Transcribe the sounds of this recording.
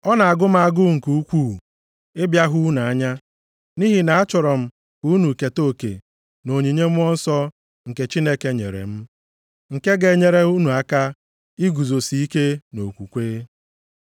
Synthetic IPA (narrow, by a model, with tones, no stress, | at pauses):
ɔ˦na˨a˨ɡʊ˦m̩˦a˨ɡʊ˦ŋ̩˨ku˦u˦kʷu˦˨ | ɪ˦bja˦ɦu˦na˨˦ɲa˦ | ni˦ɦi˨na˨a˦t͡ʃɔ˨ɾɔ˨m̩˨ | ku˦nu˨ke˨to˦kḛ˨ | no˨ɲi˨ɲe˦m̩˦ɔ˦n̩˦sɔ˦ | ŋ̩˨ke˨t͡ʃi˦ne˦ke˦ɲḛ˨ɾḛ˨m̩˦ | ŋ̩˨ke˦ɡe˨ɲe˨ɾe˦u˦nu˨a˦ka˦ | i˦ɡu˨zo˨si˦i˦ke˦no˨kʷu˨kʷeː˦